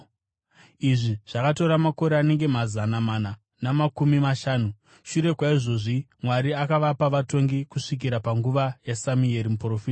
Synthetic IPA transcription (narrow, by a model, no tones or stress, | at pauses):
iʐiʐ̥akato̞ɾamako̞ɾeane̞ŋɡe̞mazanamana | namakumimaʃaːnu | ʃuɾe̞kwaiʐo̞ʐi | mwaɾiakaʋapaʋato̞ŋɡikuʂik̬iɾapaŋɡuʋajasamieɾimuprofita